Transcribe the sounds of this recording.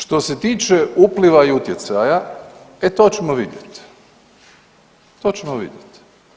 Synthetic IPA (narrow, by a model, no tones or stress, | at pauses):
ʃt̪o̞se̞t̪iːt͡ʃeupliʋaiut̪jet̪sajaet̪oːt͡ɕemoʋid̪jet̪ | t̪oːt͡ɕemoʋḭd̪jet̪